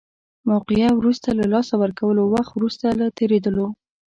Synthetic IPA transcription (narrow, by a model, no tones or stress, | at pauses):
mawqɪjawɾust̪alalɑsawəɾkawəlowaxt̪wɾust̪alat̪eɾed̪əlo